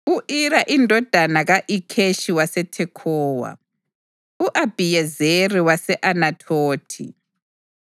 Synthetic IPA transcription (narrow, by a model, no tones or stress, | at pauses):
uʔiɾaʔindʱɔd̥ʱanaɣaʔikʰeʃiwasetʰekʰoːwa̰ | uʔab̥ʱijezeriwasɛʔanatʰoːtʰḭ